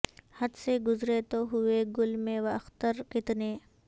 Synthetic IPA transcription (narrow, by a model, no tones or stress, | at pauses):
hɐd̪seɡʊzɾet̪oɦʊeɡʊlmẽʋɐɐxt̪əɾkɪt̪neː